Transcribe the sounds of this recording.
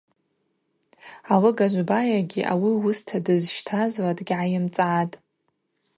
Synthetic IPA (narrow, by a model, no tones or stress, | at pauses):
alɨɡaʒʷbajaɡʲiʔa̰wiwʊstʰadɨzʃtʰazladʼɡʲʕajɪmt͡sʼaːtʼ